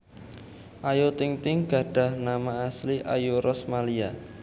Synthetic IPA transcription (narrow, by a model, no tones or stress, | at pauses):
ʔajot̪ɪŋt̪ɪŋɡ̥ä̤ɖ̥a̤hnamaːsliʔa̰juɾʔɔsmalia